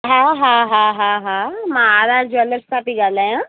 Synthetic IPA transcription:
ɦãːɦãːɦãɦãɦãmãaːd̪aːɾd͡ʒoːɐləssʰapiɡaːlaːjãː

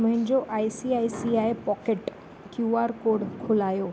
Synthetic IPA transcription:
məɦɪ̃ɲd͡ʑoʔajsiajsiajepɔkeʈ | kjuaɾkoɽkʰʊlajoː

